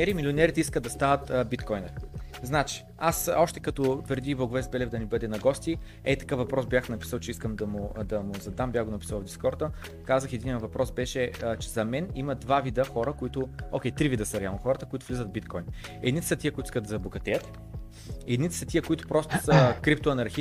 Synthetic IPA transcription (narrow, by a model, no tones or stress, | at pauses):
nɛɾimilʲionɛɾit̪ɛiskəd̪ɐst̪avət̪ːbit̪kɔjnɐznat͡ʃi̥ | asɔʃt̪ɛkɐt̪ɔvəɾd̪ibˠɐɡʊvɛsbɛlɛvd̪ɐnibɤd̪ɛnɐɡɔst̪i | ɛt̪ɐ̥kəfvɐpɾɔsbjaxnɐpi̥səlˠt͡ʃɛiskəmd̪ɐmʊd̪ɐmʊzɐd̪ambʲjaxɡonɐpisəlˠɐvd̪ʲiskɔɾt̪ə | kazəxɛd̪iniəvɐpɾɔsbɛʃɛt͡ʃɛzɐmɛniməd̪vavid̪əxɔɾəkʊit̪ʊɔkʲɛjt̪ɾivid̪əsəɾɛalˠnoxɔɾət̪əkʊit̪ʊ̥vlizəd̪vbit̪kɔjn | ɛd̪nit̪sət̪iəkʊit̪ʊi̥skəd̪d̪ɐzɐboɡɐt̪ɛjət̪ | ɛd̪nit̪ɛ̥sɐt̪iəkʊit̪ʊ̥pɾɔst̪ʊ̥səkɾip̚t̪ʊɐnɐɾxi